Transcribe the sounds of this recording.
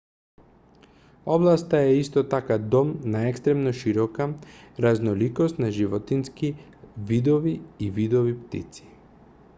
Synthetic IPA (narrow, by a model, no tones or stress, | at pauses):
ɔblˠast̪aɛist̪ɔt̪akad̪ɔmnaɛkst̪ɾɛmnɔʃiɾɔkaɾaznɔlikɔst̪naʒivɔt̪inski | vid̪ɔviːvid̪ɔvipt̪ḭt̪si̥